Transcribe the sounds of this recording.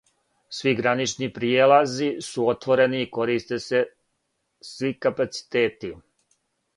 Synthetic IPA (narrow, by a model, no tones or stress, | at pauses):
sʋiɡɾanit͡ʃnipɾijeːlazisuo̞t̪ʋo̞ɾe̞niːko̞ɾist̪ese̞ | sʋikapat̪si̥t̪eːt̪i